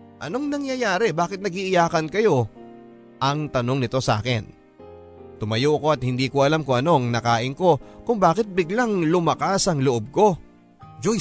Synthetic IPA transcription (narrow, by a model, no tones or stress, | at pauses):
ʔɐno̞ŋnɐŋjɐjaːɾɛbaːkɪt̪nɐɡiʔɪjaːkɐnkɐjo̞ | ʔɐŋt̪ɐno̞ŋnɪt̪o̞sɐʔa̰ːkɛ̰n | t̪ʊmɐjoʔɐko̞ɐt̪̚hɪnd̪iːkoʔɐlamkoɐno̞ɐŋnɐkaːʔɪŋko̞kʊŋbaːkɪt̪̚bɪɡlaŋlʊmɐkasɐŋloʔob̚ko̞ | d͡ʒoj